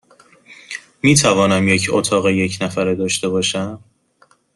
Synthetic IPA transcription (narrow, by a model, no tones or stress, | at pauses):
miːt̪ʰævɒːnæmje̞cʰo̰t̪ʰɒːɣeje̞cʰnæfæɾed̪ɒːʃt̪e̞bɒːʃæm